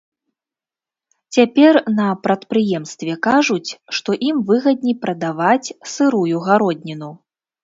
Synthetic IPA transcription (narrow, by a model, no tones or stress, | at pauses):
t͡sʲapʲɛrnɐpɾɐt̪pɾɨjɛmst̪vʲɛkaʐut͡sʲʂt̪ɔʔimvɨɣɐd̪̚ʲnʲipɾɐd̪avat͡sʲsɨɾujuɣaɾɔdʲnʲinu